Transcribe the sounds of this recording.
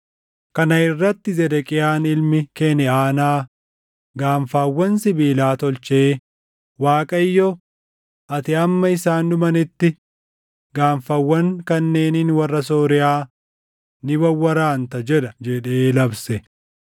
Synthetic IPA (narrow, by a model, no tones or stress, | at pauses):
kɐnɐɪrːɐt̪ːɪzɛd̪ɛkʼɪjaːnɪlmɪkenɛaːnaː | ɡaːɱfaːwːɐnsɪbiːlaːt̪ɔlt͡ʃeː | waːkʼɐjːɔ | ʔɐt̪ɪɐmːɐɪsaːnd̪ʊmɐnɪt̪ːɪ | ɡaːɱfɐwːɐŋkɐnːeːninwɐrːɐs̬oːɾɪaː | nɪbɐwːɐɾaːnt̪ɐd͡ʒɛᶑɐd͡ʒɛᶑeːlɐbsɛ